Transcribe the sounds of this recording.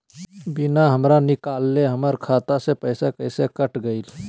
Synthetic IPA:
bɪnaɦəmɾanɪkaːlːeɦəməɾkʰaːt̪asepəɪsekəɪsekəʈɡəɪl

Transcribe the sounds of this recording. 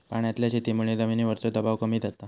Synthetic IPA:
paɳjat̪ljat͡ɕet̪imuɭed̪əminiʋəɾt͡sod̪əbaʋkəmiːt̪d͡zat̪a

